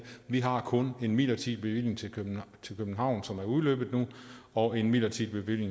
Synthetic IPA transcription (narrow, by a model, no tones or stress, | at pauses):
ʋiɦɑ̈kʰɔ̽ne̝nmilɐt͡sʰḭd̥̚b̥e̝ʋil̰je̝ŋt͡sʰe̝kʰøt͡sʰe̝lkʰøb̥n̩hɑ̈ʊ̰nsɒ̽mæɐuðˠlø̰ːb̥ð̩ˠnu | ɒ̽e̝nmilɐt͡sʰid̥̚b̥e̝ʋil̰je̝ŋ